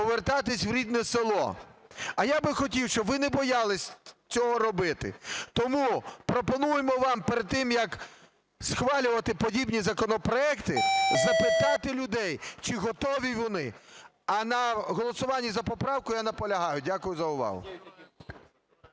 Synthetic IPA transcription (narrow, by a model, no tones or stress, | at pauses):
ɔʋert̪ɑt̪ɪsʲwɾʲid̪nɛselˠɔ̰ | ɐjabɪxɔtʲiwʃt͡ʃɔbʋɪnɛbɔjɑlˠɪsʲt͡sʲɔɦɔɾɔbɪt̪ɪ̰t̪ɔmupɾɔpɔnujemɔʋɑmpeɾed̪̚t̪ːɪmjɐk | sxʋɑlʲʊʋɐt̪ɪpɔdʲibnʲizɐkɔnɔpɾɔɛkt̪ɪzɐpɪt̪ɑt̪ɪlʲʊd̪ɛjt͡ʃɪɦɔt̪ɔʋʲiʋɔnɪ | ɐnɐɦɔlˠɔsʊʋɑnʲːizɐpɔpɾɑwkʊjanɐpɔlʲɐɦɑjʊdʲakʊjʊzɐʊʋɑ̰ɦʊ̰